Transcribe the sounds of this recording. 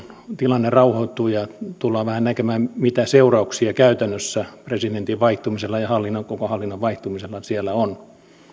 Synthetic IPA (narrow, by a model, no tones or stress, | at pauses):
t̪ilɑnːerɑuhoit̪ːuːjɑt̪ulːɑːʋæhænnækemæːmmit̪æseurɑuksiɑkæyt̪ænːøsːæpresid̪ent̪iʋʋɑiht̪umiselːɑjɑhɑlːinːokokohɑlːinːoʋʋɑiht̪umiselːɑsielːˑæon